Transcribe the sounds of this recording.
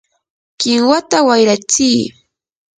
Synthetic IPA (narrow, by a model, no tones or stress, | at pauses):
kɪŋwat̪awajɾat͡siː